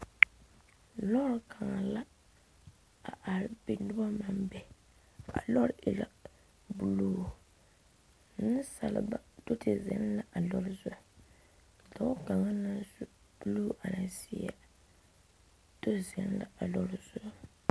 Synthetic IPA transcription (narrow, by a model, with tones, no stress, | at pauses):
lɔ˦ɾkʰa˨ŋa˨la˦ | a̰˨ʔa˨ɾɪ˨bi˨n˦dʊ˦ba˦ma˨mbɛ˨ | a̰˨lɔ˦ɾʔɪ˨la̰˨ | bu˨luː˦˨ | n˦sa˨lɪ̰˨ba̰˨do˦tɪ˨zɛ̰˨˦n˦la˨ʔa˨lɔ˦ɾɪ˦zʊ˦a˨ | dɔ˦ka˨ŋa˦na˦zu˦ | b̥u˦lu˦ʔa˨na˨si˦a̰˦ | do˦zɛ˨˦n˦la̰˦˨a˨lɔ˦ɾzʊ˦a˦